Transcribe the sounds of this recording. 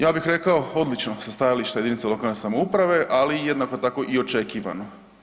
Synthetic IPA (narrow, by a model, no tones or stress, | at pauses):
jaːbixɾe̞kao̞o̞d̪lit͡ʃno̞sast̪ajaliʃt̪aed̪init̪selo̞kalne̞samoupɾaʋe̞ʔalijed̪nakot̪ako̞ʔio̞t͡ʃe̞kiːʋa̰no̞